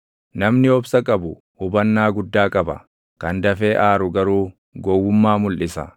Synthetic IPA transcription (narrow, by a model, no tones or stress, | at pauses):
nɐmnɪɔbsɐkʼɐbʊ | hʊbɐnːaːɡʊd̪ːaːkʼɐbɐ̰ | kɐnd̪ɐfe̞ːʔaːɾʊɡɐɾuː | ɡɔwːʊmːaːmʊlʔɪsɐ̰